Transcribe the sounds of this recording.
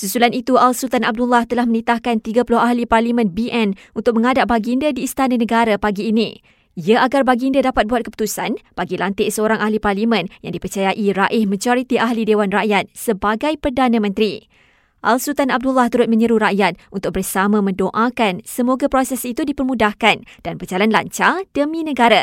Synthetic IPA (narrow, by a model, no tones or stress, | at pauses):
susulanit̪ualsut̪anab̚dulːaht̪əlahmənit̪ahkant̪iɡapulʊɦaɦliparlimə̃nbiʔɛnunt̪ʊk̚mə̃ŋadaʔ̚baɡindadiːst̪anãnə̃ɡaɾapaɡiːnĩ | iaaɡarbaɡindadapat̪̚buat̪̚kəpu̥t̪usanb̥aɡilant̪ɪʔsəoɾaŋʔahliparlimə̃njaŋdipərt͡ʃajaʔiɾaʔɪhmãd͡ʒoɾit̪iʔaɦlidewanraʔjat̪̚səbaɡajpərdanãmə̃nt̪ɾi | ʔa̰lsut̪anab̚dulːaht̪uɾʊt̪̚mə̃ɲəɾuɾaʔjat̪̚unt̪ʊk̚bərsamãmə̃ndoʔakansəmoɡapɾosɛsit̪udipərmudahkand̥anbərd͡ʒalanla̰ɲt͡ʃad̥əmĩnə̃ɡaɾa